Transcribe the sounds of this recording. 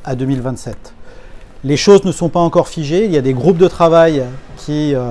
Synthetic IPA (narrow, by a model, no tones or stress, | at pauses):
ad̪ømilvɛ̃t̪sɛt̪ | leʃoznəsɔ̃paɑ̃kɔʁfiʒeiljad̪eɡʁup̚d̪ət̪χavajkʲʰiø